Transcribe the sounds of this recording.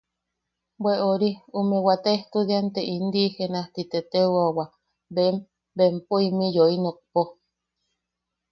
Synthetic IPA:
bweʔoɾiumewat̪eht̪ud̪iant̪eʔind̪ihenaht̪it̪et̪ewawa | bem | bempoimijoinok̚po

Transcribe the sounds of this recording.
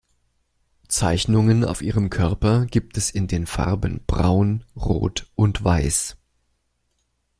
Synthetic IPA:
t͡saɪçnʊŋəna̰ʊfʔiːʁəmkʰœɐpɐɡiːp̚tʰɛsɪndeːnfa̰ʁbənb̥ʁa̰ʊnʁo̰ːtʔʊntv̥aɪs

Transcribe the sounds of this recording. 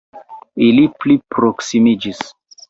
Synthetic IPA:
iliplipɾoksimid͡ʒis

